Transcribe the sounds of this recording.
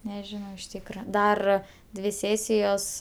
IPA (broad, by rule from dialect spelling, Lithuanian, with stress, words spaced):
nʲɛˈʒʲɪnɐʊ ɪʃ ˈtʲiːkrɐ ˈdɐr ˈdʲʋʲɪ ˈsʲeːsʲɪjoːs